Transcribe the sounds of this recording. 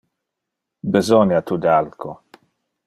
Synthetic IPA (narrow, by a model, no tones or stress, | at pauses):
bezɔnjat̪ud̪alkʰo